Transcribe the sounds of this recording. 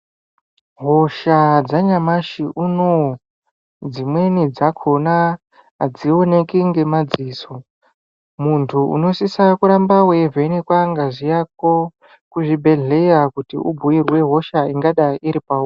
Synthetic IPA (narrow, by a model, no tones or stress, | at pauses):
ɦo̞ʃad͡zaɲamaʃiʔuno | d͡zimwe̞nid͡zakʰona | d͡zio̞ne̞kiŋɡe̞mad͡ziːso | muntʰuṵno̞sisakuɾambawevʱeinekwaŋɡaʐijak̚o | kuʐibʱe̞ɮe̞jakutḭubʱuirwe̞ɦo̞ʃaiŋɡaɗaʔiɾipawu